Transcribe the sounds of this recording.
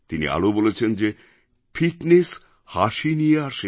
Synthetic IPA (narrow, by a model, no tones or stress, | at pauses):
t̪inḭa̰lobolet͡ɕʰend͡ʑe | fiʈnes | haʃinijeaʃe